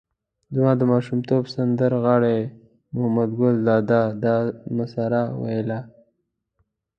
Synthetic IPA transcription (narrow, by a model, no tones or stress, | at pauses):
zmɑd̪əmɑʃumt̪obsand̪əɾɣaɽe | mʊhamad̪ɡʊld̪ɑd̪ad̪ɑmasaɾawa̰jla